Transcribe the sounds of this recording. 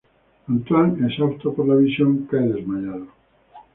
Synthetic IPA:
ant̪waŋesawt̪opoɾlaβisjoŋkajðezmaɲaðo

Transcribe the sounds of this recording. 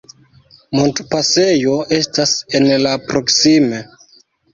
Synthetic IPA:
montpase̞jo̞e̞stasenlapɾo̞ksime

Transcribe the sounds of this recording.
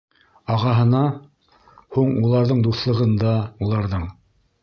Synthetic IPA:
ɑʁɑɦɤ̆nɑ | huɴulˠɑɾðɤɴd̪uθlˠɤ̆ʁɤ̆nd̪ɑulˠɑɾðɤɴ

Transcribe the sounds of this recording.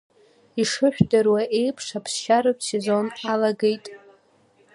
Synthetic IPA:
iʂɨħʷᶣdɨrwaʔejpʰʂapʰsʃaɾɨsezo̞nalaɡejtʼ

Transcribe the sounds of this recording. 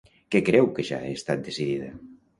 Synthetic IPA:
kekɾɛwkeʒa̰ḛːst̪at̪̚d̪esiðiðɐ

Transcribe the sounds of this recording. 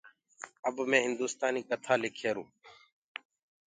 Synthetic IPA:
əbmẽːɦɪnd̪uːst̪aːniːkət̪ʰaːlɪkʰeːɾũː

